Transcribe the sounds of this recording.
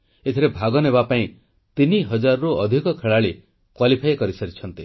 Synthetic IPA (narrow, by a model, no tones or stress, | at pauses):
et̪ʰiɾebʱaɡɔnebapaĩ | t̪iniɦʌd͡ʒaɾɔɾoɔd̪ʱikɔkʰeɭaɭi | kwalipʰajkɔɾisɔɾit͡ʃʰɔnt̪i